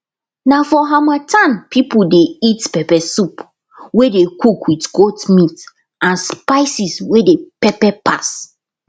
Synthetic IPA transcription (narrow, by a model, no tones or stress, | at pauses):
nafɔɦamatʰãnpʰipudeitpɛpɛsup | wedekʰukwitɡotmit | ʔãnspaɪsiswedepɛpɛpʰas